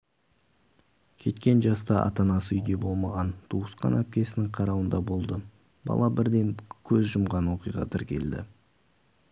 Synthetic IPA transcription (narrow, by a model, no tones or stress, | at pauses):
kʲʰe̞t̪kʲe̞nʒɑst̪ɑʔɑ̰t̪ɑnɑsəʏjd̪e̞bo̞lˠmɑʁɑnt̪ʰuəsqɑ̰næp̚kʲe̞sɪnɪŋqʰɑɾɑwənd̪ɑbo̞lˠd̪ə | bɑ̰lˠɑbɪɾd̪e̞ŋkʲʰɵzʒʊmʁɑnwo̞qijʁɑ̰t̪ʰɪɾkʲʰe̞̰ld̪ɪ̰